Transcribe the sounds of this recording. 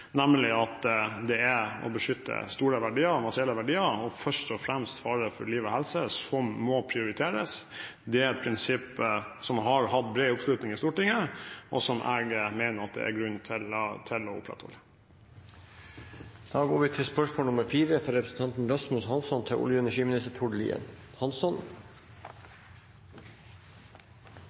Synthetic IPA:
næmlɪɑt̪d̪ɛæɔ̰bəʂʏt̪ʰːə̰st̪uːɾəʋæɖiːəɾmɑt̪ɾɪɛlːəʋæɖiːəɾɔfœʂʈɔfɾɛmst̪fɑːɾəfɔɾliːʋɔhɛlsəsɔmːɔpʰɾɪʊɾɪt̪ʰeːɾə̰s | d̪ɛæɾɛt̪̚pʰɾɪnsɪpːsɔmɦɑɾhɑt̪̚bɾeːʊpslʉːt̪nɪŋɪst̪uːʈɪŋːəʔɔsɔmʔæːɡmeːnəɾɑt̪̚d̪ɛ̰ʔæ̰ɾɡɾʉnt̪ʰɪlt̪ʰɪlɔʊ̰pːɾɑ̰t̪ʰhɔ̰lːə | d̪̥ɑːɡoːɾʋɪt̪ʰɪlspœʂmoːlnʊməɾfiːɾəfɔɾɛpɾəsn̩t̪ʰɑnt̪n̩ɾɑsmʉshɑnsɔnt̪ʰɛʔʊ̰ljʊɛnæʂiːmɪnɪst̪əʈ̪ʰʊɖlḭːə̰n | hɑnsɔn

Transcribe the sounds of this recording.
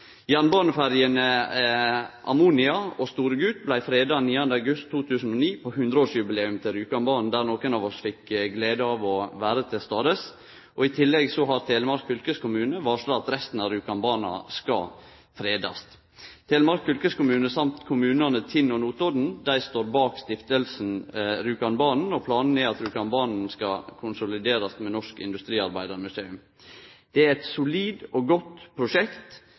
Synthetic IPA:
jɑnbɑːnəfæɾjənə | ʔɑ̰muːnɪɑost̪uːɾəɡʉːt̪̚blæɪfɾeːd̪ɑniːɑnd̪əɑɡʉst̪ʰːuːt̪ʰʉːsn̩ɔniːpʰohʉnd̪ɾəoːʂjʉbɪleːʉmt̪ʰɪlɾʉːkɑnbɑːnnd̪æɾnoːkənɑːʋɔsfɪkːɡleːd̪əɑʋɔʋæːɾət̪ʰɪst̪ɑːd̪əs | ʔɔɪt̪ʰɪlːɛɡsɔɦɑɾt̪ʰeːləmɑɾkfʏlkəskʊmʉːnəʋɑːʂloːɑt̪ɾɛst̪n̩ɑɾʉːkɑnbɑːnɑ̰skɑ̰ | fɾeːd̪ɑ̰st̪ | t̪ʰeːləmɑɾkfʏlkəskʊmʉːnəsɑmt̪kʰʊmʉːnɑnət̪ʰɪnːɔnuːt̪ɔd̪n̩d̪æɪst̪oːɾbɑːkst̪ɪft̪əlsn̩ɾʉːkɑnbɑːnn̩ɔpʰlɑːnəneːɑt̪ɾʉːkɑnbɑːnn̩skɑkʰʊnsʊlɪd̪eːɾɑst̪mɛnɔʂkɪ̰nd̪ʉst̪ɾiːɑɾbæɪd̪əɾmʉseːʉm | d̪̥ɛæɾɛt̪sʊliːd̪ɔɡɔt̪ːpʰɾʊʂɛkt̪

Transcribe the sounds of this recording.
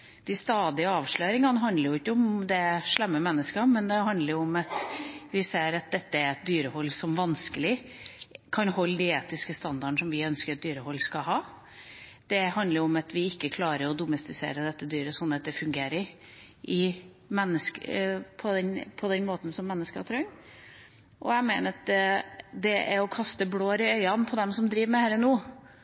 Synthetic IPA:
d̪̥ɪst̪ɑːd̪ɪəɑːʋʂɭøːɾɪŋɑnɦɑnd̪ləɾjʊɪkːəɔmd̪ɛʂɭɛmːəmɛnːəskɑmɛnd̪ɛɦɑnd̪ləɾjʊɔmɑt̪ʋɪseːɾɑt̪̚d̪ɛt̪ːəæɾɛt̪̚d̪yːɾəhɔlːsɔmʋɑnskəlɪ | kʰɑnhɔlːd̪ɪeːt̪ɪskəst̪ɑnd̪ɑɳ̩ʂɔmʋɪœnskəɾɑt̪̚d̪yːɾəhɔlːskɑɦɑː | d̪̥ɛɦɑnd̪əɾɔmɑt̪ʰʋɪɪkːəkʰlɑːɾəɾɔd̪ʊmɛst̪ɪsḛːɾəd̪ɛt̪ːəd̪yːɾəsɔnːɑt̪̚d̪ɛfʉŋɡeːɾəɾ | ʔɪ | mɛnːəskpʰɔd̪ɛnpʰɔd̪ɛnmoːt̪n̩sɔmːɛnːəskəɑt̪ʰɾœŋ | ʔɔ̰æɪmeɪnəɾɑt̪ | d̪ɛʔæɾɔkʰɑst̪əbloːɾɪœʏɑnpʰɔd̪ɛmsɔmd̪ɾiːʋmɛhæːɾənuː

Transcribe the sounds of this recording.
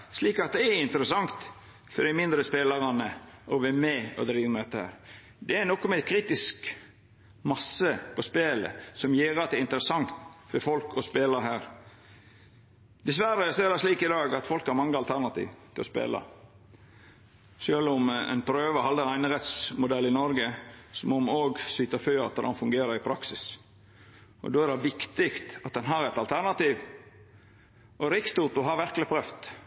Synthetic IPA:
sliːkɑt̪̚d̪ɛæɪnt̪əɾəsɑŋt̪ | fɔd̪ɪmɪnd̪ɾəspeːlɑɾɑnəʔɔʋæmɛɔ̰d̪ɾiːʋəmɛt̪ːəhæ̰ːɾ | d̪ɛænɔkːɔmɛkʰɾiːt̪ɪsk | mɑsəpʰɔspeːlə̰sɔmjiːɾɑt̪̚d̪ɛɪnt̪əɾəsɑŋt̪fɔɾfɔlkʰɔspeːləɦæːɾ | d̪̥ɛs̬ʋæɾəæseːlɑʂliːkɪd̪ɑːɡɑt̪fɔlkhɑɾmɑŋːəɑlt̪ʰæɾnɑt̪ʰḭːʋt̪ʰɪlɔ̰spḛːlɑ̰ | ʃøːlɔmɛ̰ɪnpʰɾøːʋəhɑld̪əɛnæɪnəɾɛt̪smʊd̪ɛlːɪnɔɾɡəsɔmɔmoːɡsyːt̪əføːɾɑ̰t̪ːəd̪ɑnfʉŋɡeːɾəɾɪpʰɾɑksɪs | ɔ̰d̪oːæɾdɛʋɪkt̪ɪkt̪ɑt̪̚d̪ɛnɦɑɾɛt̪ɑlt̪ʰæɾnɑt̪iːʋ | ʔɔɾɪkst̪uːt̪ʊɦɑɾʋæɾklɪpʰɾœft̪

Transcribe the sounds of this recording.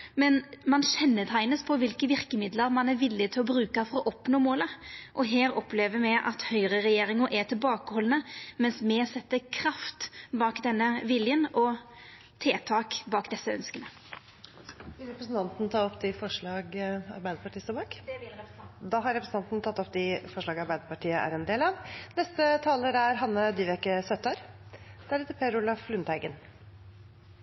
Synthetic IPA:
mɛnmɑnɕɛnːət̪ʰæɪnəspʰɔʋɪlkəʋɪɾkəmɪd̪ləɾmɑnæɾʋɪlːɪt̪ʰɪlɔbɾʉːkɑfɔɾɔʔɔpnoːmoːləʔɔɦeːɾɔpleːʋəɾmɛɪʔɑt̪hœʏɾəɾɛjeːɾɪŋəʔæt̪ʰɪlbɑːkəhɔlənəmɛnsmɛsɛt̪ːəɾkʰɾɑft̪bɑːkd̪ɛnːəʋɪljənɔ | t̪ʰeːt̪ʰɑːkbɑːkd̪ɛsːəœ̰nskənə | ɪɾɛpɾəsn̩t̪ɑnt̪n̩t̪ʰɑːɔpd̪ɪfɔʂɭɑːɡɑ̰ɾbæɪd̪əpɑʈʰiːst̪oːbɑːk̪ | d̪ɑɦɑɾɛpɾəsn̩ɑnt̪nt̪ʰɑt̪ːɔpːd̪ɪfɔʂɭɑːɡɑɾbæɪd̪əpɑʈiːəʔæ̰ɾɛnd̪eːlɑʋnɛst̪ət̪ʰɑːləɾæɾɦɑnːəd̪ɪʋɛkːəsœt̪ːəəːɾd̪̥ɛæɾeːt̪əpʰɛɾʊlɑflʉnt̪hæɪɡən

